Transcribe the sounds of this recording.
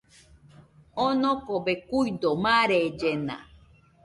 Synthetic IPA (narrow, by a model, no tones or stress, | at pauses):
onõkobekuid̪omãɾed͡ʒena̰